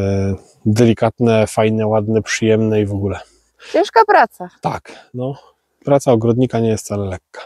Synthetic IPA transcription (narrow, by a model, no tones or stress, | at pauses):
d̪ɛlʲikat̪nɛfajnɛwad̪nɛpʂɨjɛmnɛivɔɡulɛ | t͡ɕɛ̃ʂkapɾat̪sat̪a̰knɔ | pɾat̪saɔɡɾɔd̪ɲikaɲɛjɛst̪salɛlɛkːḁ